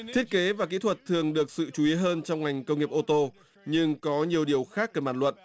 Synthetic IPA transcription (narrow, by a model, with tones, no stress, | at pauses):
t̪ʰi˦˥ət̚ke˨˦vaː˨˩kḭ˧˥t̪ʰwə˨˩t̚t̪ʰɨ˨˩əŋɗɨ˨˩ək̚sɨ̰˧˨t͡ɕu˨˦i˨˦əɦəː˧nt͡ɕɔ˧wŋ͡mŋa˨˩jŋ̟kə˧wŋ͡mŋi˨˩əp̚ʔo˧t̪o˧ | ɲɨ˧ŋkɔ˨˦ɲi˨˩əwɗi˨˩əwxaː˦˥k̚kəː˧˩maː˧˩nlə̰˧˨n